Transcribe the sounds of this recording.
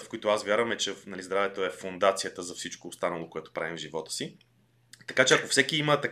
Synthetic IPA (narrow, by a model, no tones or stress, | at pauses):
fkʊit̪oasvʲjaɾvɐmɛt͡ʃɛnɐlizd̪ɾavɛt̪oɛfʊnd̪at̪sijət̪əzɐfsit͡ʃkoːst̪anəlˠokoɛt̪o̥pɾa̰vimvʒivɔt̪ə̥si | t̪ɐkat͡ʃɛɐkofsɛkiimət̪ɐ